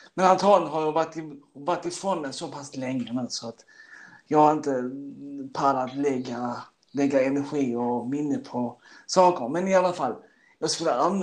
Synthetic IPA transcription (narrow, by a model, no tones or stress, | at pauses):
mɛnant̪ʰɑːnɦaɾjɑvat̪ːɪvat̪ːɪfɾɔnmɛsɔpʰaslɛŋːəmɛnsɔat̪jɑːɡhaɾɪnt̪ə | pʰalat̪lɛɡːa | lɛɡːaɛnɛɾɧiːɔmɪnːəpʰɔsɑːkəmɛnɪalːafalː | jɑːɡskɪlːəamn